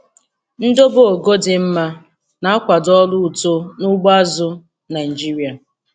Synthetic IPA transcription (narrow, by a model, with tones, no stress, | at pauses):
n̩˦do˦bo˨o˨ɡo˦dɪ˨m̩˦ma˦ | na˨a˦kʷa˨dɔ˦lʊ˦u˨to˦nʊ˦ɡ͡ba˦zʊ˦ | na˨ɪ˨d͡ʒi˦ɾi˨˦a˨